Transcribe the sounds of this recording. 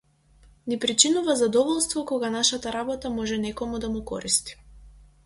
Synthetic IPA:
nipɾit͡ʃinuvazad̪ɔvɔlˠst̪vɔkɔɡanaʃat̪aɾabɔt̪amɔʒɛnɛkɔmud̪amukɔ̰ɾist̪i̥

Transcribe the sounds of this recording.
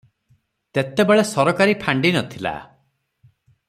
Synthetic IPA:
t̪et̪ebeɭesɔɾɔkaɾipʰaɳɖinɔt̪ʰila̰

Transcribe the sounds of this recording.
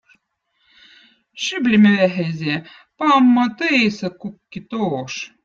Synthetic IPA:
ʃyblʲimɘ̆βæɦæzʲe | pɑmːɤ̆t̪ɨesɤ̆kukːit̪oːʃ

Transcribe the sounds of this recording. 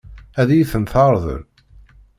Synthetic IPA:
æðijiθənθɑɾˤðə̰ɾ

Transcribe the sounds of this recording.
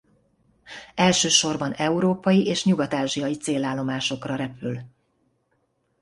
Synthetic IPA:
ɛlʃøːʃo̞rbɒnɛuɾoːpɒjiʔeːʃɲuɡɒt̪aːʒijɒjit̪seːlaːlːo̞maːʃo̞krɒɾɛpyl

